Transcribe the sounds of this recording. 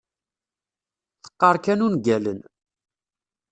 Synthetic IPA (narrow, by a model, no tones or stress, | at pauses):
θə̥qːɑɾˤkænunɡælən